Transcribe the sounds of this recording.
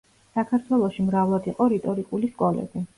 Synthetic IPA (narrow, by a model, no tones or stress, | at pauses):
sakʰaɾt̪ʰwɛlˠɔʃimɾavlˠad̪iqʼɔɾɛt̪ʼɔɾikʼuliskʼɔlɛ̰bi